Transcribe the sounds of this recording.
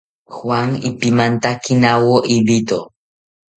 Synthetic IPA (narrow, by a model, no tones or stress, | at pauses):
xwaŋɪ̰pimant̪akinawoʔibit̪o